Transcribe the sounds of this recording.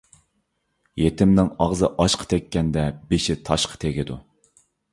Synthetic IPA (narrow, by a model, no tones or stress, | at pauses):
jet̪ɪmnɪŋɑʁzɨʔɑʃqʰə̥t̪ʰɛkʲːɛnd̪ɛbeʃɪt̪ʰɑʃqʰə̥t̪ʰeɡʲid̪ṵ